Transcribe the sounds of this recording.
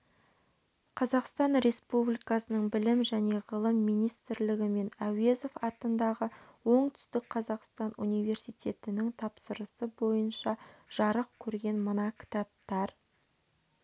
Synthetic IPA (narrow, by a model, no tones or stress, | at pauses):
qʰɑzɑqst̪ɑnɾe̞spublijkɑsənəɴbɪlɪmʒæne̞ʁəlˠəmːijnijst̪ɪɾlɪɡʲɪme̞næwezofɑt̪ənd̪ɑʁəwo̞ɴt̪ʰʏ̥st̪ɪk̚qʰɑzɑqst̪ɑnṵnijve̞ɾsijt̪ʲʰe̞t̪ɪnɪŋt̪ʰɑpsəɾəsəbo̞jənʃɑʒ̥ɑɾəq̚kʲʰɵɾɡʲe̞nmənɑkʲʰɪ̥t̪ɑp̚t̪ɑɾ